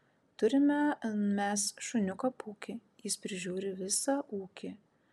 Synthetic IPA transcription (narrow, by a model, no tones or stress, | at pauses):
t̪ʊɾʲɪmʲɛmʲɛsʃʊnʲʊkopuːkʲɪ | jɪspʲɾʲɪʒʲuːɾʲɪʋʲɪsɐʔuːkʲɪ